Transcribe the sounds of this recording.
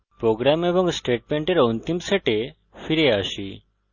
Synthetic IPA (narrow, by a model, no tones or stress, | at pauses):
pɾoɡɾamebɔŋɡsʈeʈ̚mẽɳʈeɾɔnt̪imseʈe | fʰiɾeaʃḭ